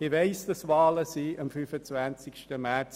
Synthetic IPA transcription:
ɪveɪsd̥ɑsʋɑːləsiʔɑmfyfət͡svant͡sɪkʃtəmɛt͡s

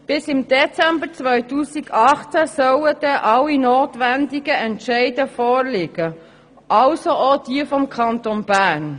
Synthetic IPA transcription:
b̥ɪsɪmd̥̪ɛt͡sɛmbəɾt͡svœʏtuːsɪɡɑχt͡sæsœwəd̥ɛʔɑlːinoːtʋænd̪ɪɡəɛntʃɛɪdəfɔːɾlɪɡ̥ə | ʔɑlsoʔod̥iəfɔmkʰɑnt̪onb̥æːn

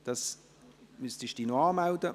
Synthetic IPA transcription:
d̥ɑs | mystɪʃd̥iːnoɑːmawdə

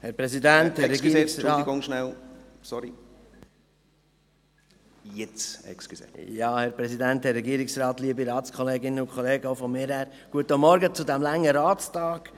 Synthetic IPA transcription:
hɛɾpɾɛsidænt̪hɛɾɛɡiːksɑːiɡoŋʃnælsɔɾi | jɪt͡sɛ̰ksksḛjɑːhɛɾpɾɛsid̪ænt̪hɛrːɛɡiːəɾɪksɾɑːt̪liəbiɾɑːtt͡skʰɔleːɡɪnəʊkʰχɔleːɡəoʊfɔmɪːɾhæːɾ | ɡ̥uət̪ːəmɔɾɡət͡sud̪æmlæŋːəɾɑːt͡stɑːɡ̥

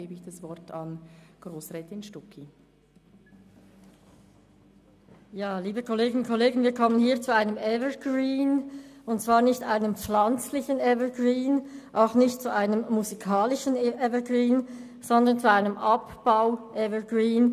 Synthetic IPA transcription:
eːbəɪçd̥asv̥ɔɾtʰanɡ̥ʁoːsʁɛtɪnʃtɔkʰi | jaːliːbəkʰɔleːɡɪnnkʰɔleːɡənviːɐkʰɔmənhiːɐt͡suaɪnəmʔɛvəɡɹiːnʊnt̚t͡sv̥aːɐnɪçtʔaɪnəmp͡flant͡slɪçənɛvəɡʁiːnʔaʊxnɪçtt͡suʔaɪnəmːuzikʰaːlɪʃənʔɛvəɡʁiːn | z̥ɔndɐnt͡suaɪnəmʔɑpb̥aʊʔɛvəɡʁiːn

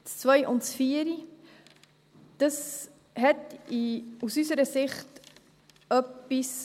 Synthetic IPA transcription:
t͡st͡svœjʔʊntsfiːəɾi | d̥əs | hɛtiusysəɾəsɪχt | œpːis

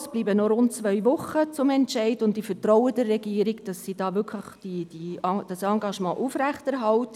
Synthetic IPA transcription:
sb̥liːbənɔɾʊntt͡sʋœʏʋʊχət͡sʊmɛntʃɛɪdʊntdifəɾtrɔwədɛɾːɛɡiəɾiɡd̥ɑsːid̥ɑːʋʏɾkʰləχd̥id̥id̥ɑsɑŋɡɑʃmɑ̰̃ːʔufræχtɛɾɦɑwt

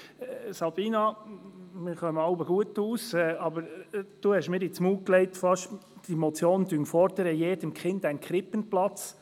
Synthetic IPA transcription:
sɑb̥iːnɑ | mɪɾχœməɑʊbəɡuətuːsɛːɑbəɾd̥uːhɛʃmɪːɾɪt͡smuːklɛɪtfɑʃd̥imɔt͡sjoːndyŋfɔɾd̪əɾəjeːdəmkχɪndæɪnkχɾɪpənplɑt͡s

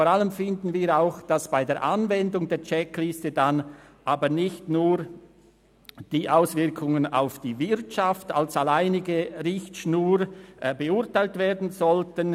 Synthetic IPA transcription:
foːɾaləmfɪndn̩viːɾaʊxd̥asb̥aɪdeːɐʔanvɛndʊŋdeːɐt͡ʃɛklɪstədanʔaːbənɪçtnuːɾ | d̥iːʔaʊsv̥ɪɐkʰʊŋəna̰ʊfd̥iːvɪɾtʃaftalsalaɪnɪɡəʁɪçtʃnuːɾbəʊʁtaɪltv̥eːɐdn̩zɔltən

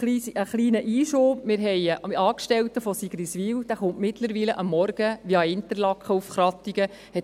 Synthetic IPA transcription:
liːsəχliːnəʔiːʃoːpmɪːɾɦɛjɑːkʃtɛwt̪əfɔsiɡ̥ɾisʋiːwd̥̪æχʊntmɪt̪ləɾʋiːləʔɑmːɔɾɡ̥əʋiɑɪntəɾlɑkχəufχɾɑt̪ːiɡə | hɛt

